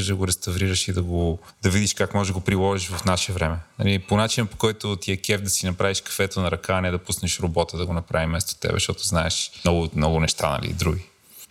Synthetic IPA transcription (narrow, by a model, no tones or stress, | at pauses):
ʒd̪ɐɡoɾɛst̪ɐvɾiɾɐʃid̪ɐɡo | d̪ɐvid̪iʃkakmɔʒɡopɾilˠɔʒiʃvɐfnaʃɛvɾɛmɛnɐ̰liponat͡ʃinɐpo̥kɔjt̪ot̪iɛkɛfd̪ɐsinɐpɾaviʃkɐ̥fɛt̪onɐɾɐkaːnɛd̪ɐpusnɛʃɾobɔt̪əd̪ɐɡonɐpɾa̰vimɛst̪o̥t̪ɛ̰bɛ̰ʃt̪ɔt̪oznaɛʃmnɔɡʊmnɔɡʊnɛʃt̪a̰nɐ̰lḭd̪ɾuɡi